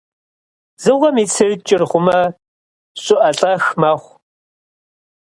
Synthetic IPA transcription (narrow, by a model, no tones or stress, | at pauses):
zɨʁʷɐmiːt͡sʰɨrt͡ʃʼɪrχʷʊmɐ | ɕʼʊʔɐɬʼɐxmɐχʷ